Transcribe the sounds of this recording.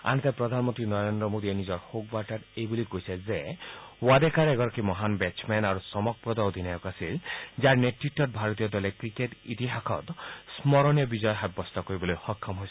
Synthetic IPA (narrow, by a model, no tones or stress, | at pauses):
a̰nɛt̪apɾɔd̪ʱanmɔnt̪ɾinɔɾend̪ɾɔmod̪ienizɔɾhoɡ̚baʈaɾejbulikojsʰezewad̪ekaɾeɡɔɾɔkimɔɦanbɛt͡ʃmenaɾusɔmɔk̚pɾɔd̪ɔod̪ʱinajɔkasild͡ʒaɾneʈɾiʈːɔt̚bʱaɾɔt̪ijɔd̪ɔlekɾikeʈḭt̪iɦakʰɔ̰t̪smɔɾɔnijɔbid͡ʒɔjɔɦab̚ːɔst̪ɔkoɾibɔlojhɔkʰːɔmɦojsʰ